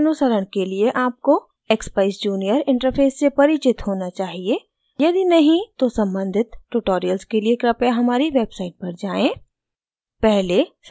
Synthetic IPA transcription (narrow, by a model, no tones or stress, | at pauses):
nʊsəɾəɽ̃kelieʔaːp̚ko | eːkspaɪsd͡ʒuːnijəɾɪ̃ɳʈəɾpʰeːsːepɐɾɪt͡ʃɪt̪ɦoːnat͡ʃaːɦie | jɐd̪inɐɦĩt̪osɐ̃mbə̃nd̪ʱɪt̪ʈuʈoːɾijəlskeliekɾɐpjaɦɐmaːɾiʋeːbsaːɪʈ̚pɐɾd͡ʒaːẽː | pɛɦles